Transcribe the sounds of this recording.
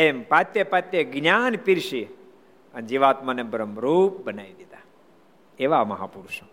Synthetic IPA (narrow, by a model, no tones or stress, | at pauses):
empat̪jepat̪jeɡɲaːnpiɾʃi | ənd͡ʒiʋaːt̪manebəɾəmɾup̚bənaʋid̪it̪a | eʋamɐɦa̰puɾʃə